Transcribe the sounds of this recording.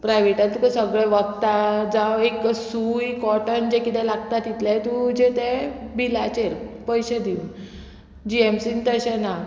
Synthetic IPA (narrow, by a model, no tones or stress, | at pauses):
pɾajʋeʈat̪ukəsəɡɭɛʋəɡt̪ad͡zaweksujkɔʈənd͡ʑekit̪ɛ̃laɡt̪at̪ːit̪lajt̪ud͡ʑet̪ɛ̃bilat͡ɕeɾpəjɕed̪iuːn | d͡ʑiemsint̪əɕɛna